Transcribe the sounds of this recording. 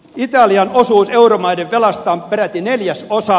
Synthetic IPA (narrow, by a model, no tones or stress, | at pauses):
it̪ɑliɑnosuːseuromɑideʋʋelɑst̪ɑːmpeɾæt̪ːineljæsosɑ